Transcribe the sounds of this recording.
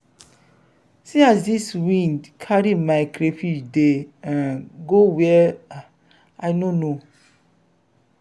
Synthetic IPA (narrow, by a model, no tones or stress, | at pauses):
siazdiswĩndkʰaɾimaɪkɾefid͡ʒdeãnɡowɛ | aɪnono